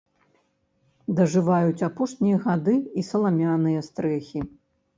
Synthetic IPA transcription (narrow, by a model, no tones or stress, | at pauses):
d̪ɐʐɨvajut͡sʲapɔʂnʲijɐɣad̪ɨisɐlˠamʲanɨjɐst̪ɾɛxʲi